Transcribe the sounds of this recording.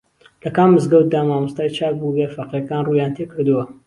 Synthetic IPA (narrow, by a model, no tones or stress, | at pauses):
lɐkaːmːɨzɡɐwt̪̚d̪aːmaːmust̪aːjt͡ʃaːk̚buɡefɐqekaːnruːjaːnt̪ʰekɨɾd̪uwɐ